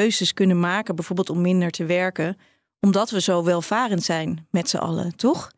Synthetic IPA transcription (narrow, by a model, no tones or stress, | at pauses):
øɥzəskɵnənmaːkənbɛjvoːɹbɪlˠtɔmːɪndəɹtəʋɛɹkən | ɔmdɑtʋəzowʋɛlˠv̥aːrəntsɛjnmɛtsə̰ʔɑ̰lə̰tɔχ